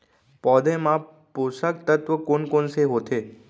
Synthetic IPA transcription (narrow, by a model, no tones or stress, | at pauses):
pɔːd̪emã | posək̚t̪ət̪ʋəkoːnkoːnseɦoːt̪eː